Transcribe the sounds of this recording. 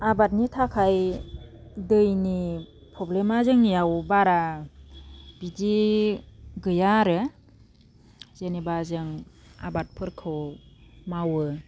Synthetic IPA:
abat̚nitʰakʰaj | dɯjni | pʰɾɔblemazɯŋnijawbaɾa | b̥idi | ɡɯjaɾɯ | zenibazɯŋa̰bat̚pʰɯɾkʰɯwmawɯ

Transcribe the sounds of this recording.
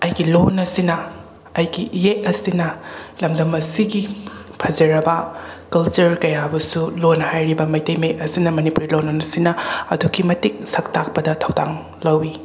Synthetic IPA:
ɐjɡilonɐsinɐ | ɐjɡijeʔɐsinɐlɐmdɐmɐsiɡi | pʰɐd͡ʒɐɾɐbɐkɐlt͡ʃuɾkɐjabɐsulonhajɾibɐmɐjtɐjmeʔɐsinɐmɐnipuɾilonɐnɐsinɐɐ̰duɡimɐtik̚sɐk̚tak̚pɐdɐtʰɐwdaŋ | lɐwi

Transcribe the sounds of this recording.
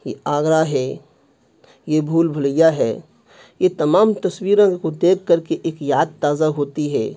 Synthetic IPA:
jeaːɡɾaɦɛː | jebʱuːlbʱɐləjaɦɛː | jet̪ɐmaːmt̪ɐswiːɾõkod̪eːkʰːɐɾkeʔeːkjaːd̪̚t̪aːzaɦoːt̪iɦɛː

